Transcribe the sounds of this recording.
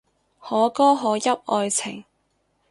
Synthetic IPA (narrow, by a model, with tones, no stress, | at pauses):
hɔː˨˥kɔː˥ɦɔː˨˥jɐ˥p̚ʔɔː˧jt͡sʰɪ˨˩ŋ